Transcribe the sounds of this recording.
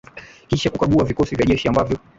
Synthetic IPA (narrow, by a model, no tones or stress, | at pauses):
kiʃakukaɠuavikɔsivjaʄɛʃiambavjɔ